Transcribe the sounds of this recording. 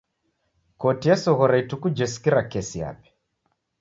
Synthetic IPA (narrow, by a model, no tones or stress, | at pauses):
kɔtiɛsɔɣɔɾaitukud͡ʒɛskiɾakɛsia̰pɛ̥